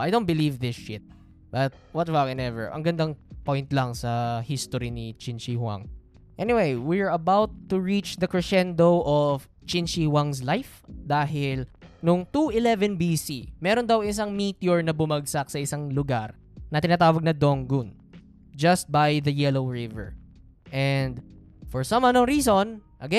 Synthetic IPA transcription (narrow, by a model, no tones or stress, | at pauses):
ʔajdõw̃n̚bɪlivðɪsʃɪt̪̚ | b̥ɐt̪̚wɔt̪vakɛ̃nɛvɛ̰ɹʔɐ̰ŋɡɐnd̪aŋpojnt̪lɐŋsɐhist̪oɾinit͡ʃɪnt͡ʃiwa̰ŋ | ʔɛnɪwejwɪɹɐbawt̪ːuɹit͡ʃd̪ɐkɹɛʃɛnd̪owʔɔf | t͡ʃɪnʃiwaŋs̬lajfd̪aːɦɪlnʊŋt̪uɪlɛvɛnbisimɛːɾond̪ɐwɪs̬ɐŋmit̪jɔɹnɐbʊmɐɡ̚sɐk̚sɐʔɪsaŋlʊɡaɾ | nɐt̪ɪnaːt̪aːwɐɡ̚nɐd̪oŋɡun | d͡ʒɐst̪̚bajðɐjɛlowɹɪvɛ̰ɹ | ʔɛnd̪ | fɔɹsɐ̃mɐnoŋɹiːson | ʔɐɡɛ